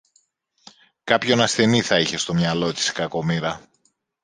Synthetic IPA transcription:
kɐpço̞nɐsθe̞niθɐiçe̞st̪o̞mɲɐlo̞t̪i̥skɐko̞miɾɐ

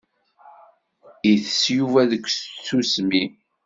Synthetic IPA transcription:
iθəsjuvæðəkʷːst͡sːusmi

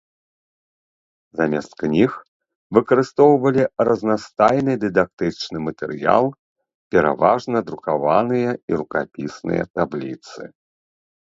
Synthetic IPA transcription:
zamʲɛst̪knʲix | vɨkɐɾɨst̪ɔwvɐlʲirɐznast̪ajnɨd̪ɨd̪ak̚t̪ɨt͡ʂnɨmɐt̪ɛɾɨja̰lˠ | pʲɛɾa̰vaʐnɐd̪ɾukavanɨjɐiɾukapʲisnɨ̰jɐ̰t̪ablʲḭt̪sɨ̰

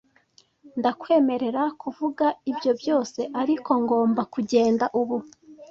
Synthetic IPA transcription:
ndakwe̞ːme̞ɾe̞ɾakuvuɡaibjo̞bjo̞ːse̞ʔaɾiko̞ŋɡo̞ːmbakuɟe̞ːndaʔuβu

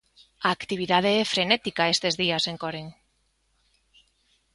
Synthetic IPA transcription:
aːkt̪iβ̞iðað̞eefɾenet̪ikaest̪ezðiaseŋkoɾeŋ

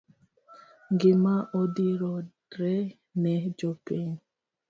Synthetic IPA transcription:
ŋɡɪmaʔɔdiɾɔ | ɾɛ | nɛd͡ʒɔpiɲ

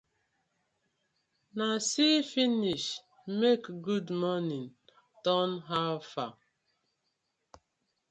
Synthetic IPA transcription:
nasifiniʃ | mekɡudmɔnin | tɔnɦafa

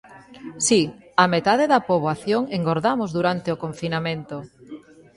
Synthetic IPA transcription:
si | amet̪aðeðɐpoβoaθjoŋeŋɡoɾðamozðuɾant̪eokoɱfinamẽnt̪o

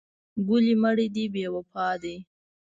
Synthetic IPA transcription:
ɡuliməɽid̪ibewəpʰɑd̪i

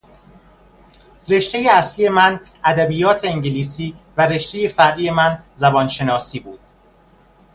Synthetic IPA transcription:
re̞ʃt̪e̞jeæslije̞mæn | æd̪æbiːjɒːt̪ʰe̞eŋɟeliːsiːvæɾe̞ʃt̪e̞je̞fæɾʔiːje̞mænzæbɒːnʃe̞nɒːsiːbuːd̪̥

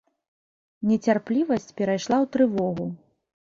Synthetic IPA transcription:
nʲɛt͡sʲarplʲivɐsʲt͡sʲpʲɛɾajʂlˠawt̪ɾɨvɔɣu

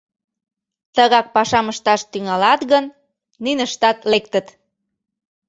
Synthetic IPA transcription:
t̪əɣɑk̚pɑʃɑməʃt̪ɑʃt̪yŋɑlɑt̪ɣənː | ynəʃt̪ɑt̪lek̚t̪ət̪

